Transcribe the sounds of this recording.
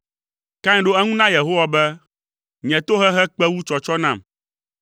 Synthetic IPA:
kã˦ɲ˨˦ɖo˦ɛ˦ŋũ˦nã˦je˨ɦo˦wa˨bɛ˦ | ɲɛ̃˨t̪o˦ɦɛ˦ɦɛ˦k͡pɛ˦wu˦t͡ʃɔ˨t͡ʃɔ˦nã˦˨m

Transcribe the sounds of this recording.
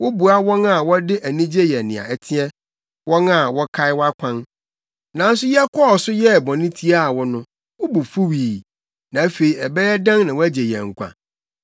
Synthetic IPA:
wʊ˦bu˨a˦wɔ̃˦na˨wɔ˦dɪ˦ʔæ˨nĩ˦d͡ʑe˦jɛ˨nɪ̃˨a̰˨ɛ˦tʰɪ̃˦ɛ˦ | wɔ̃˦na˨wɔ˦kʰa˦ɪ˦wa˦kʷʰã˦n | nã˨n̩˦sʊ˦jɛ˦kʰɔ˦ɔ˨sʊ˦jɛ˦˨bɔ̃˨nɪ̃˦tʰi˦a˦˨wɔ˦nʊ̃˦ | wʊ˦bu˨fu˦wiː˨ | nã˨˦fe˨i˨ɛ˨bɛ˦jɛ˦dã˦ŋnã˨wɔ˦æ˦d͡ʑɛ˨jɛ̰̃˨ŋ̩˨kʷʰã̰˨

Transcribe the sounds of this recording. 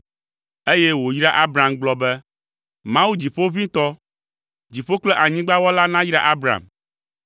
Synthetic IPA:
e˦jɛ˦wo˨jɾa˦ʔa˦bɾa˨mɡ͡blɔ˨bɛ˦ | mã˦wu˦d͡ʑi˨ɸo˦vĩ˦t̪ɔ˦ | d͡ʑi˨ɸo˦k͡plɛ˦ʔa˨ɲĩ˦ɡ͡ba˦wɔ˦la˦nã˦jɾa̰˦ʔa˦bɾa̰˨m

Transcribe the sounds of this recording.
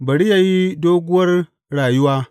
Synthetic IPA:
bɐ˨ɽi˦ja˨ji˦doː˦ɡʷʊ˦wɐ˦r | ɾaː˨ju˦waː˦

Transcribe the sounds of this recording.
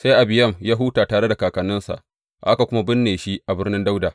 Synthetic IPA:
sa˦jʔa˨bɪ˨jɐ˦˨mjaː˦ɦuː˦taː˨taː˨ɽe˦da˨kaː˨kɐ˨nɪ˦nsa̰˨ʔ | ʔa˦ka˨kʷʊ˦ma˦bɪ˦nːeː˨ʃi˦ʔa˨bɪ˦rnɪ˦nda˦wdaː˨

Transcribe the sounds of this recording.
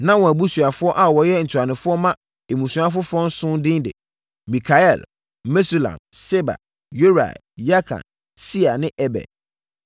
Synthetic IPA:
nã˦wɔ̃˨æ˨bu˦su˨a˨fʊ˦ɔ˦ʔa˨wɔ˨jɛ˦n̩˨tʰa˨nɪ̃˨fʊ˦ɔ˦mã˦ | e˨mũ˨su˨˦a˦f̬ʊ˦fɾɔ̃˦n˦sʊ̃˦ndɪ̃˦ndɪ̰˨ | mĩ˨kʰa˨ɛ˦˨l | me˦su˨lã̰˨mse˦ba̰˨ | jo˦ɾa̰˨ | ja˦kʰã̰˨n | si˦a˨nɪ̃˦ʔɛ˦bɛ̰˨d̚

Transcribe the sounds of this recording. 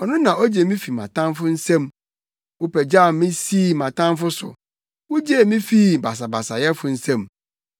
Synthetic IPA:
ɔ˨nʊ̃˦nã˨ɔ˦d͡ʑe˨˦mĩ˦fi˨mã̰˨tʰã˦mfʊ˦n̩˦sɛ̃˦m | wʊ˦pɛ˨d͡ʑa˦˨˦mĩ˦siː˦˨mã˨tã˦mfʊ˦sʊ̰˨ | wʊ˦d͡ʑe˦˨mĩ˦fi˦˨ba˨s̬a˨ba˨sa˨jɛ˦fʊ˨n̩˦sɛ̃˦m

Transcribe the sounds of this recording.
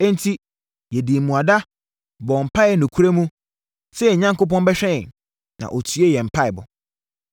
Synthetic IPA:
ɛ̃˦n˦tʰi˦ | jɛ˨di˨mũ˨a˨da˦ | bɔ˨m̩˨pʰa˦ɛ˦nũ˨kʰu˦ɾe˦mũ˦ | sɛ˦ɛ˨ɲã˦ŋko˦p̬ɔ̃˦nbɛ˦ɕᶣɛ̃˦˨ | nã̰˨ʔɔ˨tʰɥe˦jɛ˨m̩˨pʰa˦ɪ˨bʊ̰˨

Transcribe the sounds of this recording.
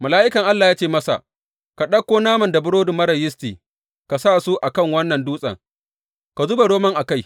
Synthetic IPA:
ma˨laː˦ʔɪ˦kɐ˨ŋʔa˦lːaː˨jaː˦t͡ʃeː˦˨mɐ˦sa̰˨ʔ | ka˨ɗɐ˦kʷːoː˦naː˦mɐ˨nda˨bʊ˦ɽoː˦dʊ˨mɐ˦ɾɐ˨jɪ˦stiː˨ | ka˨saː˦˨su˦ʔa˨kɐ˦˨ŋwɐ˦nːɐ˨nduː˦sʼɐ̰˨ŋ | ka˨zʊ˦ba˨ɽoː˦mɐ˦ŋʔa˨ka˦j

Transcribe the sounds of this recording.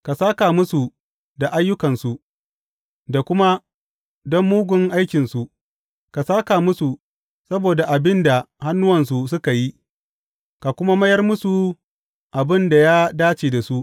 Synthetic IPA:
ka˨saː˦kaː˨mʊ˦su˨ | da˨ʔa˦jːʊ˦kɐ˨nsu˨ | da˨kʷʊ˦ma˦ | dɔ˦mːuː˦ɡʷʊ˦ŋʔa˦jkʲɪ˨nsu˨ | ka˨saː˦kaː˨mʊ˦su˨ | sɐ˦boː˨da˨ʔa˨bɪ˦nda˨ha˦nːʊ˦wɐ˨ns̬u˨sʊ˦ka˨ji˦ | ka˨kʷʊ˦ma˦mɐ˦jɐ˦rmʊ˦su˨ | ʔa˨bɪ˦nda˨jaː˦daː˦t͡ʃeː˨da˨su˦ʔ

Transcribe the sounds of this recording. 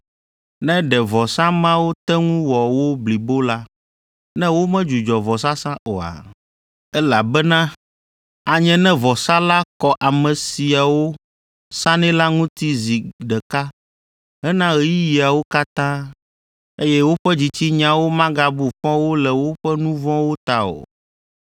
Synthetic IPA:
nɛ̃˦ɖɛ˨vɔ˨sã˦mã˦wo˦t̪ɛ˦ŋũ˦wɔ˨wo˦bli˨bo˦la˦ | nɛ̃˦wo˦mɛ̃˦d͡ʒu˨d͡ʒɔ˨vɔ˨s̬a˦sã˦ʔo˨a̰˨ | ɛ˦la˨bɛ˦nã˦ | a˨ɲɛ̃˦nɛ̃˦vɔ˨sa˦la˦kɔ˨ʔa˨mɛ̃˨si˨a˨wo˦ | sã˦nɛ̃˦la˦ŋũ˦t̪i˦zi˨ɖɛ˨ka˦ | ɛ˦nã˦ɣɛ˨ji˦ji˨a˨wo˦ka˦t̪ã˦ | e˦jɛ˦wo˦ɸɛ˦d͡ʑi˨t͡ɕi˦ɲã˨wo˦mã˦ɡa˦bu˨ɸɔ̃˦wo˦lɛ˨wo˦ɸɛ˦nũ˦vɔ̃˦wo˦t̪a˦o̰˨

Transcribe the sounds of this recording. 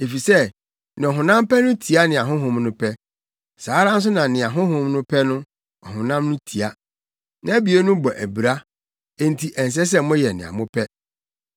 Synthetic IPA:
e˨fi˨sɛ˦˨ | nɪ̃˨ɔ˨ɦʊ̃˨nã˦m˦pɛ˦nʊ̃˦tʰi˨a˦nɪ̃˨a˨ɦʊ̃˦ɦʊ̃˦mnʊ̃˦pʰɛ˦ | saː˨˦ɾã˦n̩˦s̬ʊ˦nã˨nɪ̃˨a˨ɦʊ̃˦ɦʊ̃˦mnʊ̃˦pʰɛ˦nʊ̃˦ | ɔ˨ɦʊ̃˨nã˦mnʊ̃˦tʰi˨a˦ | nã˦æ˦bi˨e˦nʊ̃˦bɔ˨ʔæ˨bi˨ɾa˦ | e˦n̩˦tʰi˦ʔɛ˨n˨s̬ɛ˦s̬ɛ˦mʊ̃˦jɛ˨nɪ̰̃˨a̰˨mʊ̃˦pʰɛ˦

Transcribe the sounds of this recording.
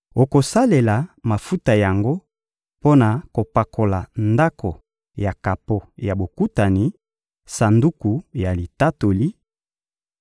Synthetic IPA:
o˨ko˨sa˦le˨la˨ma˨fu˦ta˨ja˨ŋɡo˦ | po˦na˨ko˨pa˨kʰo˨la˨nda˦kʰo˨ | ja˨ka˨po˨ja˨bo˨ku˦ta˨ni˨ | sa˨ndu˦ku˨ja˨li˨ta˦to˨li˦

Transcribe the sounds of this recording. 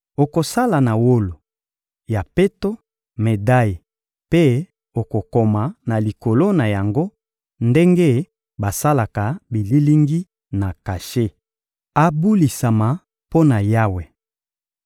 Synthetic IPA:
o˨ko˨sa˦la˨na˨wo˦lo˨ | ja˨pe˦to˦ | me˨da˦ji˨ | pe˦ | o˨ko˨ko˨ma˨na˨li˨ko˨lo˦na˨ja˨ŋɡo˦ | nde˦ŋɡe˦ | ba˨sa˦la˨ka˨bi˨li˦li˦ŋɡi˦ | na˨ka˨ʃe˦ | a˦bu˦li˨sa˨ma˨ | po˦na˨ja˦we˨

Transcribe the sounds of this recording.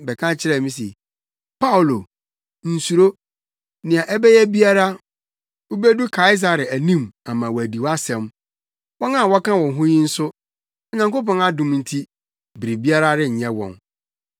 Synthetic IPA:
bɛ˨kʰã˦t͡ɕʰɪ˦ɾɛ˦˨mĩ˦s̬e˨ | pʰa˦wʊ˨lo˨ | n̩˨su˨ɾo˦ | nɪ̃˨a˨ʔɛ˦bɛ˦jɛ˦bi˦a˦ɾa˦ | u˦be˦du˦kʰa˨ɪ˦s̬a˨ɾɪ˨æ˨nĩ˦ma˨mã˨wɔ˨æ˨di˨wa˦sɛ̃˨m | wɔ˦nã˦˨wɔ˦kã˦wɔ̃˨ɦʊ̃˦ɲĩ˦n̩˦sʊ˦ | ɔ˨ɲã˨ŋko˦pɔ̃˦ŋa˨dʊ̃˨mn̩˨tʰi˦ | bi˨ɾi˨bi˦a˦ɾa˦ɾɪ˦ɲ̩˨ɲɛ̃˦wɔ̰̃˨n

